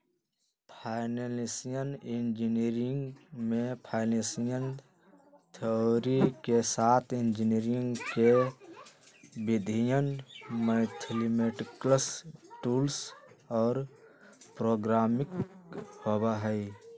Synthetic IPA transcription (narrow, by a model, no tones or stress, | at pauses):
pʰaːɪnelisijənɪnd͡ʒiniɾɪŋɡmẽpʰaːɪnẽsijən | t̪ʰeoɾikesaːt̪ʰɪnd͡ʒiniɾŋɡke | bɪd̪ʱijənməɪt̪ʰlimeʈkləsʈuːlsɔːɾ | pɾoːɡɾaːmɪkhobaɦəi